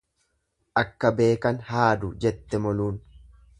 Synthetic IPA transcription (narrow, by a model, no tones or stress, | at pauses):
ʔɐkːɐbe̞ːkɐnhaːd̪ʊd͡ʒɛt̪ːɛmɔluːn